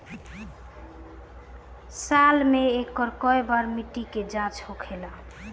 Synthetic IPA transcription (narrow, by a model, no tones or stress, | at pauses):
salmeekːɔɾkɔebəɾmiʈiked͡ʒãt͡ʃhokʰela